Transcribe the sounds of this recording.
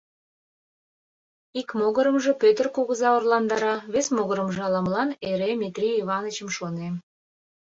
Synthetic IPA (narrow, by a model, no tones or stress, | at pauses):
ikmoɣəɾəmʒe̽pøt̪ərkuɣəzɑorlɑnd̪ɑɾɑβesmoɣəɾəmʒɑlɑmlɑneɾemʲit̪rʲiiβɑnət͡ɕəmʃonem